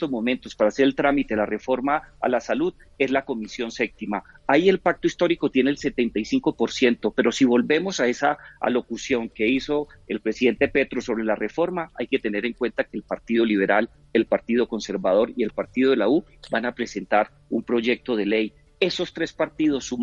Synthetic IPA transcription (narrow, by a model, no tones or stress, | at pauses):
t̪ozmo̞ment̪o̞spaɾaːse̞ɾe̞lt̪ɾamit̪e̞lare̞fo̞ɾmaa̰lasaluð | e̞zlako̞misjo̞nse̞p̚t̪imaaie̞lpak̚t̪oist̪o̞ɾiko̞t̪je̞neːlse̞t̪e̞nt̪ajsiŋko̞po̞ɾsje̞nt̪o̞pe̞ɾo̞siβo̞lbe̞mo̞sae̞saa̰lo̞kusjo̞ŋke̞iso̞ | elpɾesiðe̞nt̪e̞pe̞t̪ɾo̞so̞βɾe̞lare̞fo̞ɾmaajke̞t̪e̞ne̞ɾe̞ŋkwe̞nt̪ake̞ːlpaɾt̪iðo̞liβe̞ɾal | e̞lpaɾt̪iðo̞ko̞nse̞ɾbað̞o̞ɾie̞lpaɾt̪iðo̞ðelau | banapɾe̞se̞nt̪aɾ | umpɾo̞ʝe̞k̚t̪o̞ð̞e̞le̞j | e̞so̞st̪ɾe̞spaɾt̪iðo̞sːu